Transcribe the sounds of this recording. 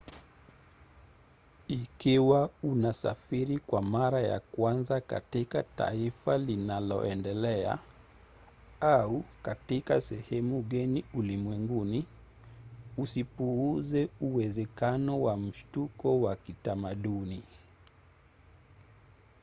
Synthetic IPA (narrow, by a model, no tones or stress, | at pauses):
ikiwaunasa̰fiɾikwamaɾaja̰kwanzaka̰tikata̰ifalinalɔ̰ʔɛndɛlɛa̰ | aukatikasɛhɛmuɠaniulimwɛŋɡuni | usipuuzɛuwɛzɛkanɔwam̩ʃtukɔwakitamaɗuni